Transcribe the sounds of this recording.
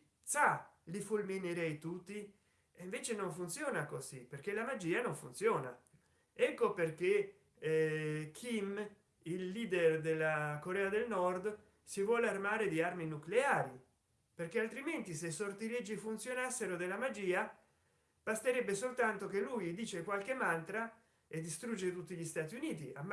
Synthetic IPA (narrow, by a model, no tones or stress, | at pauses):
t̪salifulmineɾɛjt̪ut̪ːi | eɱveːt͡ʃenoɱfunt̪sjɔːnakoziperk̟elamad͡ʒiːanoɱfunt̪sjɔːna̰ | ɛkːoperk̟e | kʰim | ilːiːd̪erd̪elːakoɾɛːad̪elnɔrd̪ | sivwɔːlearmaːɾed̪iarminukleaːɾi | perk̟ealt̪ɾiment̪isesort̪iled͡ʒːifunt̪sjonasːeɾod̪elamad͡ʒiːa | b̥ast̪eɾɛbːesolt̪ant̪ok̟elːujd̪iːt͡ʃekwalk̟emant̪ɾa | ed̪ːist̪ɾud͡ʒːet̪ut̪ːiʎist̪aːt̪iuniːt̪ia̰